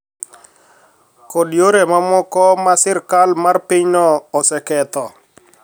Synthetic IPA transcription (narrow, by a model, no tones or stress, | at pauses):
kɔdjoɾemamɔkɔmasɪrkalmarpiɲnɔɔsɛkɛt̪ɔ